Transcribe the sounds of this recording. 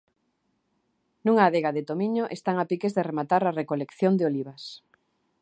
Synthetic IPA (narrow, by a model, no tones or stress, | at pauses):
nuŋaːðeɣaðet̪omiɲoʔest̪aŋapikezðeremat̪aɾarekolekθjond̪eoliβas